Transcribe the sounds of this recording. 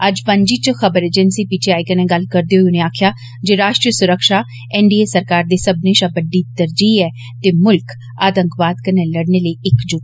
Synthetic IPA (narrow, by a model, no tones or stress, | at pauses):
əd͡ʒpə̃ɲd͡ʒiːt͡ʃxəbəɾeːd͡ʒɛnsiːpit͡ʃʰeaːikənɛ̃ːɡəlkəɾd̪eːɦoiʊnẽːaːkʰjaː | d͡ʒeːɾaːʃʈɾijəsʊɾəkʃaː | ɛ̃ːɳɖiːeːsəɾkaːɾd̪eːsəbneːʃaːbəɖiːt̪əɾd͡ʒiːɛː | t̪eːmʊlk | aːt̪ə̃ŋkʋaːd̪kənɛːləɽneːləiːɪkd͡ʒoː